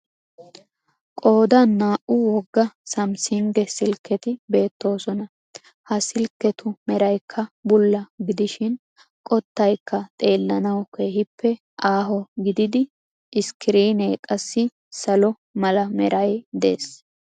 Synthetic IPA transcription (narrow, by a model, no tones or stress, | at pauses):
kʼo̞ːd̪ɐnːaːʔʊwɔɡːɐsɐmsɪŋɡ̪ɛsɪlkːɛt̪ɪbe̞ːt̪ːo̞ːsɔnɐ | hɐsɪlkːɛt̪ʊmɛɾɐjkʰːɐbʊlːɐɡɪd̪ɪʃɪn | kʼɔt̪ːɐjkːɐt̪ʼe̞ːlːɐnɐwke̞ːɦɪpːɛ | ʔaːɦɔɡɪd̪ɪd̪ɪ | ʔɪskɪɾiːneːkʼɐsːɪ | sɐlɔ | mɐlɐmɛ̰ɾʔɐjd̪eːs